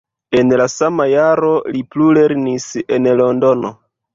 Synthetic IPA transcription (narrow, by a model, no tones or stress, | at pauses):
e̞nlasamajaɾo̞liplule̞ɾnise̞nlo̞ndo̞no̞